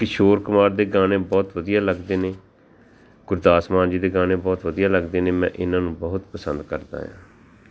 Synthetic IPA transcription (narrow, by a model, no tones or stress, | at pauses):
kɪʃoːɾkʊmaːɾd̪eːɡaːneːbɔːt̪ʋəd̪ijaːləɡd̪eːneː | ɡ̥ʊɾd̪aːsmaːnd͡ʒiːd̪eːɡaːnẽːbɔːt̪ʋəd̪ijaːləɡd̪eːneːmɛ̰̃ːʔɪnãːnũːbəɦʊt̪pəsənd̪kəɾd̪a̰ːjã̰ː